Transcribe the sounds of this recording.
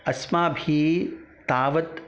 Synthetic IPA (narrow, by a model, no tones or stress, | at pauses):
ɐsmaːbʱiːt̪aːʋɐt̪